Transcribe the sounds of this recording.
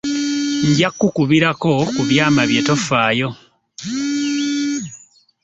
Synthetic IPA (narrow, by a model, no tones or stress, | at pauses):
ɲɟakːukuβiɾako̞kuβjaːmaβje̞to̞faːjo̞